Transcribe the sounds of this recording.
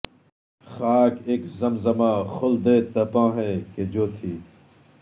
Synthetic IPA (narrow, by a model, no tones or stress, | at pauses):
xaːkeːkzɐmzɐmãːxʊld̪eːt̪ɐpãːɦẽːked͡ʑoːt̪ʰiː